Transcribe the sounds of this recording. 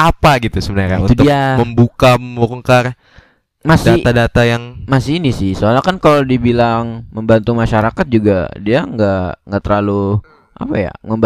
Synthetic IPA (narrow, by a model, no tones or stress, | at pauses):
apaɡit̪usəbənaɾa̰unt̪ud̪ʊiaməmbukammoɾəŋkar | masdaadat̪ajaŋmasɪinisɪhsoalakankalodiabilaŋməmbant̪umaʃaɾakat̪̚d͡ʒuɡa̰diaŋɡaŋɡaʔt̪əɾlalu | ʔa̰paja̰məmb